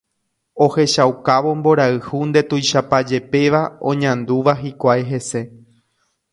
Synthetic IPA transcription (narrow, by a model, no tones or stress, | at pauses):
o̞he̞ʃawkaʋo̞mbo̞ɾaɨhund̪e̞t̪ujʃapad͡ʒe̞pe̞ʋaõ̞̰ɲãnd̪uʋaɦikʷajɦe̞se̞